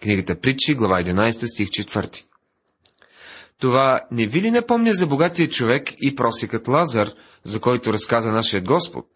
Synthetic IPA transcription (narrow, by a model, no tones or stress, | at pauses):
kniɡət̪əpɾit͡ʃiɡlˠɐvaɛd̪inajst̪əst̪ʲixt͡ʃɛt̪vɤ̰ɾt̪i̥ | t̪ovanɛvilinɐpɔmnʲəzɐboɡat̪ijət͡ʃovɛkipɾɔsɛkət̪lˠazəɾ | zɐkɔjt̪oɾɐskazənaʃijəd̪̚ɡɔspo̰t̪̚